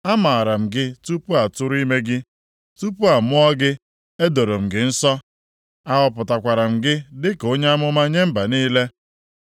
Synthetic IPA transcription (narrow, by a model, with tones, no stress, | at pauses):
a˦ma˨a˨ɾa˨m̩˨ɡɪ˦tu˦pu˦a˨tʊ˦ɾi˦me˦ɡɪ˦ | tu˦pu˦a˨mʊ˦ɔ˦ɡɪ˦ | e˦do˨ɾo˨m̩˨ɡɪ˨n̩˦sɔ˦ | a˦ɣɔ˨pʊ˨ta˨kʷa˨ɾa˨m̩˨ɡɪ˦dɪ˦ko˦ɲe˦a˦mʊ˦ma˦ɲe˦m̩˦ba˨niː˦le˦